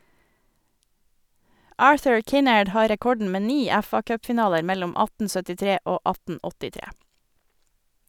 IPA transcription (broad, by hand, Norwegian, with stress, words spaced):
ˈɑːɹθʉɹ ˈkɪnɛɖ ˈhɑː ɾɛˈkɔɖɳ̩ ˈmeː ˈniː ˈɛfɑkœpfɪˌnɑːləɾ ˈmɛlʊm ˈɑtn̩ sœtɪˈtɾeː ˈoː ˈɑtn̩ ɔtɪˈtɾeː